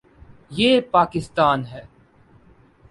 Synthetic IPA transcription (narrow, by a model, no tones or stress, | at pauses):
jeːpaːkɪst̪aːnɦɛː